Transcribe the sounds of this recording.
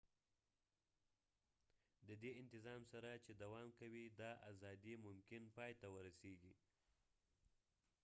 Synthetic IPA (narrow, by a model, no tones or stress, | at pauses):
d̪əd̪eɪnt̪ɪzɑmsaɾat͡ʃed̪awɑmkawid̪ɑʔazɑd̪imʊmkɪnpɑjt̪awəɾaseɡi